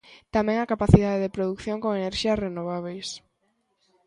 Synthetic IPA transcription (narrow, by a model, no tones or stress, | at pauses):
t̪amɛ̃ŋɐkapaθiðaðeðɪpɾoðukθjõŋkoŋeneɾʃiɐsrenoβ̞aβ̞ejs